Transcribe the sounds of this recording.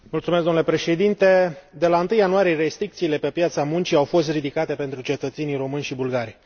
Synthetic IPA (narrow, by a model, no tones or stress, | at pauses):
mult̪sumesɡ̪omnule̞pɾe̞ʃe̞d̪int̪e̞d̪e̞laɨnt̪ɨjanuaɾieɾe̞st̪ɾik̚t̪siːle̞pe̞pjat̪samunt͡ʃiawfo̞st̪rid̪ikat̪e̞pe̞nt̪ɾut͡ʃe̞t̪ət̪senijɾo̞mɨnʲʃibulɡaɾ